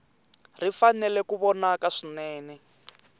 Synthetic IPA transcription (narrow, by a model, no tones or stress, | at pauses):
rifanɛlɛkuβɔnakaʂinɛːnɛ